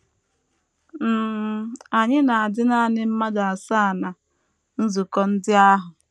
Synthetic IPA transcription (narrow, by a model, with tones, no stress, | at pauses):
m̩˦˨ | a˨ɲɪ˦na˨a˨dɪ˦na˦a˨nɪ˦m̩˦ma˦da˨a˨sa˦˨na˨ | n̩˦zu˨kɔ˦n̩˦dɪ˦a˦ɦʊ˨